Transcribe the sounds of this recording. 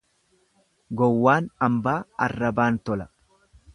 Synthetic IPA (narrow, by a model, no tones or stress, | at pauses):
ɡɔwːaːnɐmbaːɐrːɐbaːnt̪ɔlɐ